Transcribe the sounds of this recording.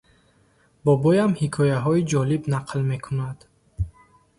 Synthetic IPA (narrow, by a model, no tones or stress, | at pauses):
bɔbɔjamhikʰɔjaɦɔid͡ʒɔlibnaqʰlme̞kʰunad̪̥